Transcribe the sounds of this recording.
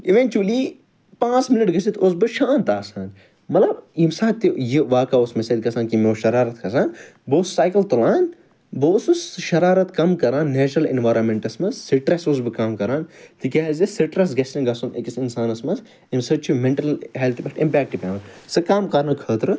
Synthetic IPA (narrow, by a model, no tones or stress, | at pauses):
iʋẽnt͡ʃuli | pãːt͡sminɐʈɡɐsit̪ʰos̬bɨʃaːnt̪aːsaːn | mɐlɐbimsãːt̪ːijiʋaːkaːosmɐsed̪̚ʲkɐsãːnkimoːʃɐɾaːɾɐt̪kʰɐsaːnboːssaːjkɐlt̪ulaːn | boːsusʃɐɾaːɾɐt̪kɐmkɐɾaːnːeːt͡ʃɾɐlḭnʋaːɾɐnmẽɳʈɐsmɐsːiʈɾɐsos̬bɨkɐːmkɐɾaːnt̪ikʲeːzisiʈɾɐsɡɐsɐ̃nɡɐsunʔekisinsaːnɐsmɐs | imsɐt͡ʃʰimẽɳʈɐlɦelt̪ʰipʲeʈimpʲɛːk̚ʈːipʲaːʋɐnsɨkaːmkɐɾnɨkʰəːt̪ɾɨ